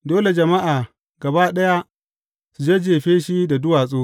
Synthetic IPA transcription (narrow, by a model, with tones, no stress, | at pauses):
doː˦le˨d͡ʒɐ˨ma˦ʔaː˨ | ɡɐ˨baː˦ɗɐ˦ja˦ | su˨d͡ʒeː˦d͡ʒeː˨ɸeː˦ʃi˦da˨dʊ˦waː˨sʼoː˦